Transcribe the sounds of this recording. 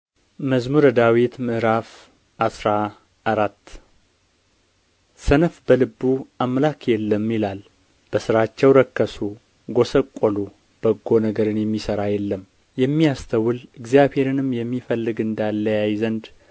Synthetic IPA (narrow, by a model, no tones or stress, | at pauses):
məzmuɾəd̪awit̪mɨʔɾaf | ʔasɾa | aɾat̪ː | sənəfbəlɨbːuʔamlakjɛlːəmːjilal | b̥əsɨɾat͡ʃːɛwɾəkːəsu | ɡo̞səkʼːolu | b̥əɡːo̞nəɡəɾɨnjɛmːisəɾajɛlːəm | jɛmːijast̪ʰəwɨlɨɡzijaβhe̞ɾɨnɨmjɛmːifəlːɨɡɨnd̪alːəjajzənd̪